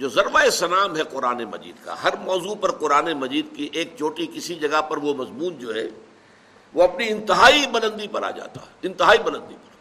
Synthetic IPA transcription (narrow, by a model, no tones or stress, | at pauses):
d͡ʒoːzɐɾʋaesɐnaːmɦɛqʊɾaːnemɐ̰d͡ʒḭːd̪ka̰ɦɐɾmɔːzupɐɾqʊɾaːnemɐziːd̪kiʔeːk̚t͡ʃʰoːʈikɪsid͡ʒɐɡapɐɾʋomɐzmuːnd͡ʒoːɦɛ̰ | ʋoɐpniɪ̃nt̪ɪɦaːibɐnə̃nd̪ipɐɾa̰ːd͡ʒa̰ːt̪a̰ɦɛɪ̃nt̪ɪɦaːibɐnə̃nd̪ipɐɾ